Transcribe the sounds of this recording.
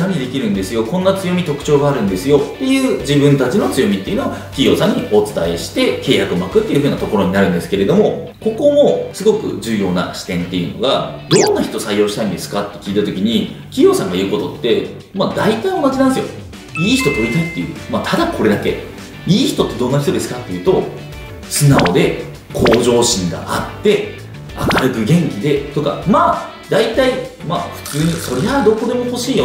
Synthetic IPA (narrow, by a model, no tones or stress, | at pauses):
amʲid̪e̞kʲiɾɯ̟̃nd̪e̞sɨjo̞kõ̞nːat͡sɨjo̞mʲit̪o̞kɯ̟̥t͡ɕo̞ːɡaːɾɯ̟̃nd̪e̞sɨjo̞t̪ːe̞jɯ̟ːd͡ʑibɯ̟̃nt̪at͡ɕino̞t͡sɨjo̞mʲit̪ːe̞iɯ̟noakʲijo̞ːsãɲ̟ːio̞t͡sɨ̥t̪ae̞ɕi̥t̪e̞ke̞ːjakɯmakɯ̟t̪ːeiɯ̟ɯ̟ːnat̪o̞koɾo̞ɲ̟inaɾɯ̟̃nd̪e̞sɨ̥ke̞ɾe̞d̪o̞mo̞ | ko̞ko̞mosɨɡo̞kɯ̟̰ʑɨːjo̞ːna̰ɕi̥t̪ẽ̞nt̪ːe̞jɯ̟no̞̰ɡad̪̥o̞nːaçit̪o̞saijːo̞ːɕi̥t̪aĩnd̪e̞sɨ̥kat̪ːe̞kʲiːt̪at̪o̞kʲiɲ̟i | kʲijo̞ːsãŋɡaiɯ̟ko̞t̪o̞t̪ːe̞ | mad̪ait̪aĩo̞naʑinãnesɨjo̞̰ | iːçi̥t̪o̞t̪o̞ɾʲit̪at̪ːe̞jɯ̟̰ːmat̪ʰad̪akʰo̞ɾe̞d̪ake̞ | iːçi̥t̪o̞t̪ːe̞d̪õ̞nːaçi̥t̪o̞d̪e̞sɨ̥kat̪ːe̞jɯ̟ːt̪o̞ | sɨnaod̪e̞ | kʰo̞ːʑo̞ːɕĩŋɡa̰ʔat̪ːe̞ | a̰kaɾɯ̟kɯ̟ɡẽ̞ŋkʲid̪e̞t̪o̞ka̰maː | d̪ait̪aimaːɸɯ̟̥t͡sɨːɲ̟iso̞ɾead̪o̞ko̞d̪e̞mo̞ho̞ɕiːjo